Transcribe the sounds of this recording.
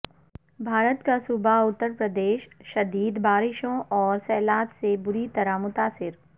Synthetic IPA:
bʱaːɾət̪kasʊbaʊt̪ːəɾpɾəd̪eːʃʃɐd̪iːd̪baːɾɪʃõʔɔːɾsɛːlaːbsebʊɾit̪ɐɾamʊt̪aːsɪɾ

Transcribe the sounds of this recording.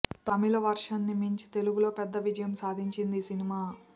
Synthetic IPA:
t̪ɐmilɐʋɐɾʂɐnːimiɲt͡ʃi̥t̪e̞luɡulo̞ːpɛd̪ːɐʋid͡ʒɐjɐmsaːd̪ʱiɲt͡ʃind̪isinimaː

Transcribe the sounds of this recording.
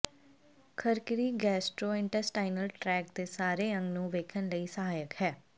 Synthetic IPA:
kʰəɾkɪɾiːɡɛːsʈɾoːɪ̃ɳʈəɾsʈaːɪnəlʈɾɛːk̚t̪eːsaːɾeːə̃ŋɡnũːʋeːkʰənləiːsəɦaːjəkɦɛː

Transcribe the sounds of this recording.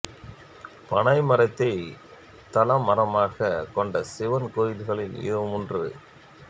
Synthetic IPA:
pɐɳɐɪmɐɾɐt̪ːɐɪ | t̪ɐlɐmːɐɾɐmaːɣɐkɔɳɖɐsɪʋɐnkoːjɪlɣɐɭɪnɪ̰ðɯmʊndrɯ

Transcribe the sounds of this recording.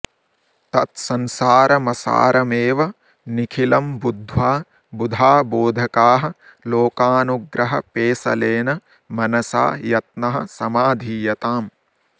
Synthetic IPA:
t̪ɐt̪sɐnsaːɾɐmɐsa̰ːɾɐmeːʋɐ | nikʰilɐmbud̪ʱʋaː | bud̪ʱaːboːd̪ʱɐkaːɦɐ | loːkaːnuɡɾɐɦɐpeːsɐ̰leːnɐ | mɐnɐsa̰ːjɐt̪̚nɐɦɐ̆sɐmaːd̪ʱiːjɐt̪aːm

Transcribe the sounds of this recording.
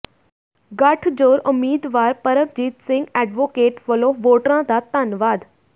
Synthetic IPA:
ɡaːʈʰd͡ʑoːɾʊmiːd̪ʋaːɾpɐɾəp̚d͡ʑiːt̪sɪ̃ŋɡɛːɖʋoːkeːʈʋəloʋoːʈɾãd̪at̪aːnʋaːd̪

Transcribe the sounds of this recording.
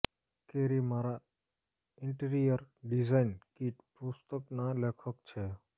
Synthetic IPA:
keːɾimaːɾa | ɪɳʈəɾijəɾɖizaɪnkiːʈpʊst̪əknalekʰəkt͡ʃʰeː

